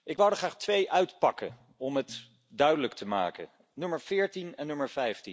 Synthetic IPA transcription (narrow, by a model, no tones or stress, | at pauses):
ʔɪkʋawdəχraːχtʋejʔœɥtpɑkə̰ | ɔmɦət | dœɥdələktʰəma̰ːkə̰ | nɵməɹv̥ɪːɹtinɛnːɵməɹv̥ɛjfti